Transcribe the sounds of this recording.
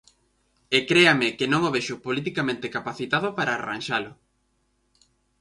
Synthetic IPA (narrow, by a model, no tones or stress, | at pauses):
ekɾeamɪkɪnõŋoβeʃʊpolit̪ikamẽnt̪ekapaθit̪aðʊpaɾaːra̰nʃalʊ